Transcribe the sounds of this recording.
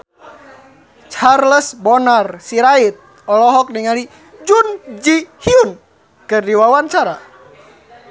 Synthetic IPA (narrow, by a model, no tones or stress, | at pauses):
t͡ʃarləsbɔnarsiɾait̪̚ | ɔlɔɦɔk̚niŋali | d͡ʒund͡ʒihiun | kɨrdiwawaɲt͡ʃaɾa